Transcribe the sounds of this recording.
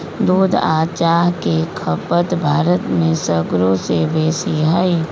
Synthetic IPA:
d̪uːd̪aːt͡ʃaːɦkekʰəpət̪bʱaːɾət̪mẽsəɡɾõsebeːsiɦai

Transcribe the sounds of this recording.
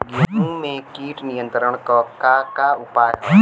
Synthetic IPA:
ɡũmẽkiːʈnijə̃nt̪ɾəɳ̃kɔːkakaʊpaːɾ

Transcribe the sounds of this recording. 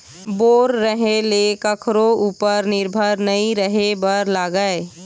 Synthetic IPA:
boːɾːəɦelekəkʰɾouːpəɾnɪɾbʱəɾnəĩɾəɦebəɾlaɡəe

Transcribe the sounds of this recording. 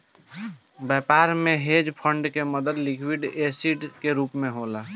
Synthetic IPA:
bɛːpaːɾmẽɦeːd͡ʒpʰə̃ɳɖkeməd̪əd̪lɪkʰwiɖeːsiːɖkeɾuːpmẽɦoːlaː

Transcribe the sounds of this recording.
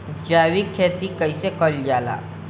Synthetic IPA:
d͡ʒaːʋikʰːeːt̪ikəisekɔld͡ʒaːla̰ː

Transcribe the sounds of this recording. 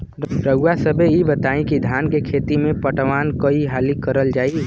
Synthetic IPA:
ɾəɡwasəbʱejibət̪aːĩkid̪ʱjaːnkekʰeːt̪imẽpəʈʋaːnkəiɦaːlikəɾəld͡ʒaːi

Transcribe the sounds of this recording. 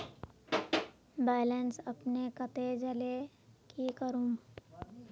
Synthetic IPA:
baːlənsɐpnekət̪ed͡ʒəle | kikəɾũː

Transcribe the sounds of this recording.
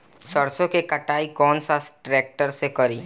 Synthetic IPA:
sɐɾsõkekɐʈaːikɔːnsasʈɾeːk̚ʈəɾsekɐɾiː

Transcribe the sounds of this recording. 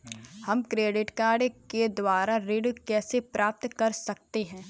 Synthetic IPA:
hɐmkɾeːɖɪʈkaːɾɖked̪waːɾaɾɪɖkɛːsepɾʔaːp̚t̪kɐɾsɐk̚t̪eɦɛ̃ː

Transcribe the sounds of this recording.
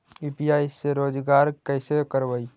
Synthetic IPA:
ipiaːiseɾoːd͡ʒɡaːɾkəɪsekəɾʋəi

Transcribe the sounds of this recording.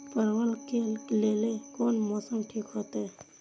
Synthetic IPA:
pəɾʋəlkelelekonmɔsəmʈʰiːkɦot̪e

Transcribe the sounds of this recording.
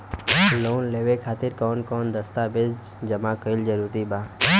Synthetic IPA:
loːnleːʋekʰaːt̪ɪɾkɔːnkɔːnd̪əst̪abed̪ | d͡ʒəmakəɪld͡ʒəɾuːɾibaː

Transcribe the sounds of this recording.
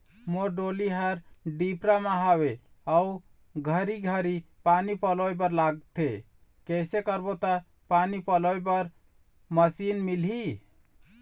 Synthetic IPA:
moɖoliɦəɾɖipɾamaɦaweau | ɡʱəɾiɡʱəɾipanipəloebəɾlaɡ̚t̪ʰe | kɛsekəɾbot̪ə | panipəlɔebəɾ | məsinmilɦi

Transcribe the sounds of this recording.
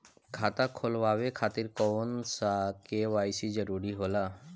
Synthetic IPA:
kʰat̪akʰolwabekʰat̪iɾkɔnsakewajsid͡ʒəɾuɾiɦola

